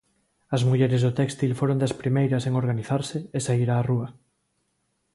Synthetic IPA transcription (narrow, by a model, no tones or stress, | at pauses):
ɐzmuʎɛɾɪzðʊt̪ɛkst̪ilfoɾond̪aspɾimejɾɐseŋoɾɣaniθaɾsɪːsaiɾaːruɐ